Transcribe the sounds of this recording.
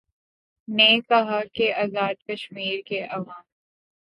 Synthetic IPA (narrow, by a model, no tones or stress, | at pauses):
nekɐɦakeaːzaːd̪̚kɐʃmiːɾkeʔɐʋaːm